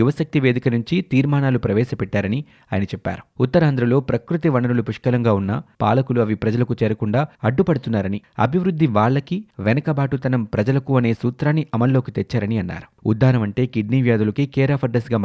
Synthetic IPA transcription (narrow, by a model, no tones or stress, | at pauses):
juʋɐsɐk̚t̪iʋe̞ːd̪ikɐnuɲt͡ʃit̪iːɾmaːnaːlupɾɐʋɛːsɐpɛʈːaːɾɐni | aːjɐnɐt͡ʃɛpːa̰ːɾu̥ut̪ːɐɾaːnd̪ɾɐlo̞ːpɾɐkɾut̪iʋɐɳɐnulupuʂkɐlɐŋɡaːunːɐ̰pa̰ːlɐkuluɐʋipɾɐd͡ʒɐlɐkut͡ʃɛːɾɐkuɳɖaːɐɖːupɐɽut̪unːaːɾɐniɐ̰bʱiʋɾud̪ʱːiʋaːɭːɐkiʋɛnɐkɐbaːʈut̪ɐnɐmpɾɐd͡ʒɐlɐkuɐne̞ːsuːt̪ɾaːnːiʔɐmɐlːo̞ːkit̪ɛt͡ʃːaːɾɐniɐnːa̰ːɾu̥ṵd̪ːaːɾɐmɐɳʈe̞ːkiɖniːʋjaːd̪ulɐkikɛːɾaːpʰɐɾɖɐsɡaːm